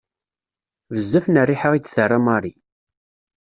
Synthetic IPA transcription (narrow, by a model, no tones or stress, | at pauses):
vəzːæfnərːiħəʁid̪θərːamɑɾˤi